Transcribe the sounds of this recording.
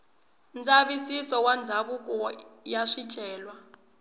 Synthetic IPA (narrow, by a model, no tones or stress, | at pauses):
nd͡zʼaβisisɔwand͡zʱaβukʼɔ | jaʂit͡ʃʼɛːlwa